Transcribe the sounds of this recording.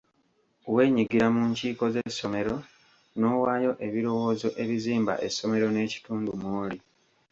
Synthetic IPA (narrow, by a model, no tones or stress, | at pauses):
owe̞ːɲiɡiɾamuɲciːko̞ze̞sːo̞me̞ɾo̞ | no̞ːwaːjo̞ʔe̞βiɾo̞wo̞ːzo̞ʔe̞βiziːmba̰ʔe̞sːo̞me̞ɾo̞ne̞ːci̥tuːndumwoːli